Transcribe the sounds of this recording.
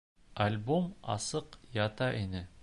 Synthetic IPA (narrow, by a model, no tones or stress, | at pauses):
ɐlʲbomɑ̰sɤqjɑt̪ɑʔinɘ